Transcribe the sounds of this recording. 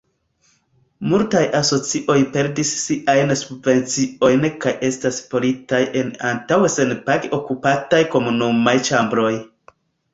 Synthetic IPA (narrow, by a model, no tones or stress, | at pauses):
multajʔaso̞t͡siʔo̞jpe̞ɾdisːiʔajnsubve̞nt͡sio̞jnkaje̞staspo̞litajʔe̞na̰ntawese̞npaɡo̞kupatajko̞munumajt͡ʃambɾo̞j